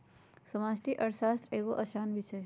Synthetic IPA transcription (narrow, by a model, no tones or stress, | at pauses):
sɐmaːsʈiʔɐɾsaːst̪ɾeːɡoʔɐʃaːnbʱit͡ʃʰe